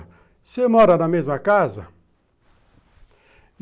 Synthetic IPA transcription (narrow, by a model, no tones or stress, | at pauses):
semɔɾɐnɐmezmɐkazɐ̰